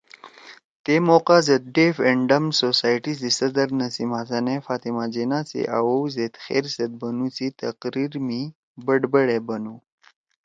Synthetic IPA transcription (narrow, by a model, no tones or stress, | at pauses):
t̪eːmoːqazɐt̪̚ɖeːfeɳɖɐmsoːsaːjʈid̪isɐd̪ɐɾnɐsimaːzɐnefaːt̪imaːd͡ʑenaːt͡sḭʔa̰wowzet̪xḛːɾsɐd̪̚bɐnut͡sit̪ɐqɾiɾmi | bɐɖbɐɽebɐnu